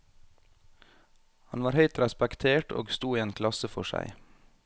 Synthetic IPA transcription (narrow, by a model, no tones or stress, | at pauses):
hɑnʋɑːɾhœʏt̪ɾɛspɛkt̪ʰeːʈo̰ːɡst̪uːiːeːnkʰlɑsəfɔʃæ̰ɪ